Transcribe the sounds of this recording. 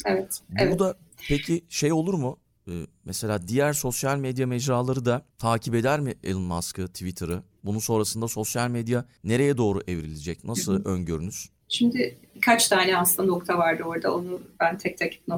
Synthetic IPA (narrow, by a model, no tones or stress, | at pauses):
evɛt̪bɛbud̪apʰecʰiʃe̞jo̞lˠuɾmu | ɯːmɛse̞lʲaːd̪ijæɾso̞sjalʲmed̪jamɛd͡ʒɾaːlˠaɾɯd̪at̪ʰaːcʰipe̞d̪æɾmɪʔelˠɯnmaskɯt̪ʰivit̪ʰɯɾɯ | bununso̞nɾasɯnd̪aso̞sjalʲmed̪ja | ne̞ɾe̞jɛd̪o̞ːɾuʔevɾilʲid͡ʒɛc̚nasɯlˠøɲɟøɾynyz̥ | ʃimd̪ɪikʰat͡ʃt̪ʰaːnɛasɯlano̞kt̪ʰavaɾd̪ɯoɾd̪a̰o̞nubænt̪ʰɛc̚t̪ʰacʰi̥p̚no